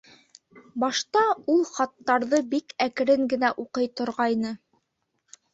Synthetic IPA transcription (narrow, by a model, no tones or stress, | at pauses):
bɑʃt̪ɑulˠχɑt̪ːɑɾðɤbikækɘ̆ɾɘŋɡɘ̆næʔuqɤjt̪ŏɾʁɑjnɤ